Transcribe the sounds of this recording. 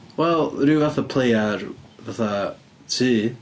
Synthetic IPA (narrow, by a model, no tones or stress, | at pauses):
wɛlˠrɨvaθapʰl̥ejarvaθa | tʰiː